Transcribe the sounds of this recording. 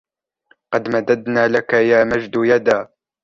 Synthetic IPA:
qɑd̪mad̪ad̪naːlakajaːmad͡ʒd̪jad̪aː

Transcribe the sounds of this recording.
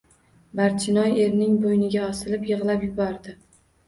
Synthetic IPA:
baɾt͡ʃʰɪnɒje̞ɾnɪŋbojnɪɡʲaɒsɪlɪpjɨʁlˠapjʊbɒɾd̪ɪ

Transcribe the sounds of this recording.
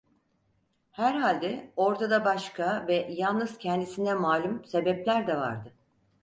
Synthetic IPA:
hæɾɦalʲd̪ɛo̞ɾt̪ʰad̪abaʃkʰavɛjalˠnɯz̥cʰɛnd̪isinɛmaːlʲumse̞bɛplʲæɾd̪ɛva̰ɾd̪ɯ

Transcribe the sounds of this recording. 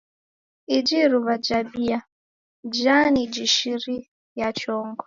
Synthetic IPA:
id͡ʒiɾuβad͡ʒabija | d͡ʒanid͡ʒiʃiɾi | jat͡ʃɔŋɡɔ

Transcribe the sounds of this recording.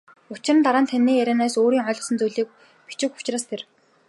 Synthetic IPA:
ʊt͡ɕɪ̆rə̆nt̪aɾaːnt̪ʰanːiːæɾʲæːnaːsoːɾiːŋœɮ̆sə̆nt͡sujɮiːk̚ | pi̥t͡ɕɪ̆kʊ̥t͡ɕraːst̪ʰer

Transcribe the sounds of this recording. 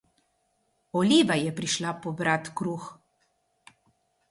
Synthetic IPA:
ɔlʲiːʋajɛpɾiʃlapɔbɾat̪kɾuːx

